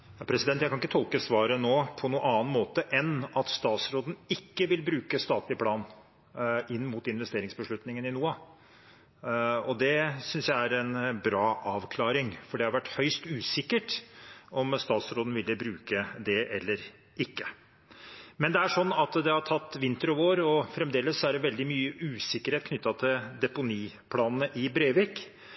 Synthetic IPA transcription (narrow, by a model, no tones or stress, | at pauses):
jɑːpʰɾɛsɪd̪ɛnt̪jæɪkʰɑnɪkːət̪ʰɔlkəsʋɑːɾənoːpʰɔnuːʔɑːnmoːt̪əʔɛnɑt̪st̪ɑːt̪sɾoːd̪n̩ɪkːəʋɪlbɾʉːkəst̪ɑːt̪lɪpʰlɑːn | ʔɪnːmut̪ɪnʋɛst̪eːɾɪŋsbəʂɭʉt̪nɪŋənɪnuːɑ | ɔd̪ɛsʏnsjæɪæɾɛnbɾɑːʔɑːʋkʰlɑːɾɪŋfɔɖɛhɑɾʋæʈːhœʏst̪ʉːsɪkːəʈɔmst̪ɑːt̪sɾoːd̪ən̩ʋɪlːəbɾʉːkəd̪ɛʔɛlːəɾ | ʔɪkːə | mɛnd̪ɛæʂɔnːɑt̪d̪ɛhɑʈʰɑt̪ːʋɪnt̪ɾʊoːɾɔfɾɛmd̪eːləsːɔæɖɛʋɛld̪ɪmyːəʔʉːsɪkːəɾheːt̪kʰnʏt̪ːɑt̪ʰɪld̪ɛpʊniː | pʰlɑːnənəʔɪbɾeːʋeːk